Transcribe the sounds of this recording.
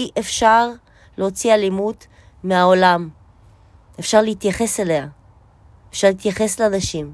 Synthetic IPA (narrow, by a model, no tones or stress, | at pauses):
iʔefʃaʁ | leot͡sialimud | meao̞lam | efʃaʁleit̪jaχe̞sele̞a | efʃaʁleit̪jaχe̞slanaʃim